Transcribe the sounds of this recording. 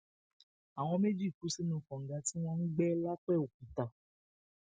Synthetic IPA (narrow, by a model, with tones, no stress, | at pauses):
a˨w̃ɔ̃˧me˦d͡ʒi˦˨ku˨˦si˦nũ˧˨kɔ̃˨ŋ̩˨ɡa˧˦ti˦w̃ɔ̃˦n̩˦ɡ͡bɛ˦la˦k͡pɛ˦˨o˨ku˨ta˨